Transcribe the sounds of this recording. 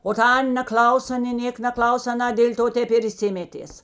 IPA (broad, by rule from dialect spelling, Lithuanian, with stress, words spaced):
oː ˈtɐ ˈɐnʲ nʲɛˈklˠɐʊsoː nʲeː ˈnʲeːkɐ nʲɛˈklˠɐʊs ɐˈnɐ dʲeːlʲ ˈtoː ˈtʲɛp ɪr ɪʃʲˈsʲɪmʲɛtʲeːs